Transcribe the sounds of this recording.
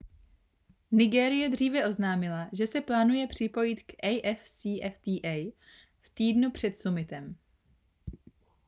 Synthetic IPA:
nɪɡɛːɾɪjɛd̪r̝iːvɛʔo̞znaːmɪlaʒɛsɛplaːnujɛpr̝̥ɪpo̞jɪt̪kʔɛjʔɛfsiːʔɛft̪iːʔɛj | ft̪iːdnupr̝̥ɛt̪sumɪt̪ɛm

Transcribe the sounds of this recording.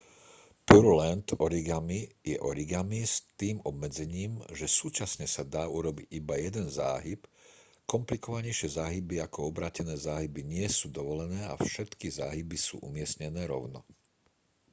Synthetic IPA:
puɾulɛnt̪ɔɾiɡamijɛ̰ʔɔɾiɡamist̪iːmɔbmɛd͡zɛɲiːmʒɛsuːt͡ʃasɲɛsad̪aːuɾɔbiɟibajɛd̪ɛnza̰ːɦip | kɔmplikɔʋaɲɛɪʃɪɛzaːɦibiakɔɔbɾaːcɛnɛːzaːɦibiɲɪɛsuːd̪ɔʋɔlɛnɛːa̰fʃɛt̪kizaːɦibisṵːʔṵmɪɛsɲɛnɛːɾɔ̰ʊnɔ̰

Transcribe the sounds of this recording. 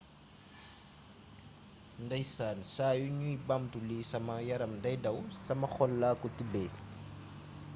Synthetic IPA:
ndajsaːnisaːjuɲuibamtulisɐmajaɾɐmndajdawsɐmaxɔlːaːkutibeː

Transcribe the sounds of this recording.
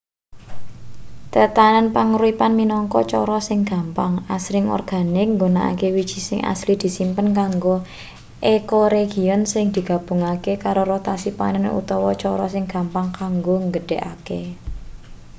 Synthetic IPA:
t̪ət̪anənpaŋɾuipanminɔŋkɔt͡ʃɔɾɔsɪŋɡ̥a̤mpaŋasɾɪŋɔ̰rɡ̥a̤nɪk̚ŋɡona̰ʔa̰kewid̥ʒ̥i̤sɪŋa̰slid̪̥i̤simpənkaŋɡo | ʔekoɾeɡ̥i̤ɔnsɪŋd̪̥i̤ɡ̥ä̤b̥ṳŋakekaɾorot̪asipa̰nən̰ṵt̪ɔwɔt͡ʃɔɾɔsɪŋɡ̥ä̤mpaŋkaŋɡoŋɡəɖ̥ɛʔakḛ

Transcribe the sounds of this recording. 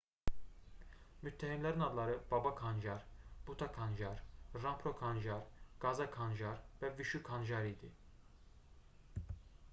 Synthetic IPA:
myt̪ʰːæhimlʲæɾinɑd̪lˠɑɾɯb̥ɑbakʰand͡ʒɑɾb̥ut̪ʰakʰand͡ʒɑɾːampʰɾokʰanʒɑɾɡ̥ɑzakʰanʒaɾvɛviʃykʰanʒɑɾid̪i

